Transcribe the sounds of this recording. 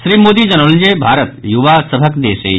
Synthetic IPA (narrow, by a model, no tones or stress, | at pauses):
sɾiːmoːd̪id͡ʒɐnold͡ʒeːbʱaːɾət̪juʋasəbʱəkd̪eːsḛ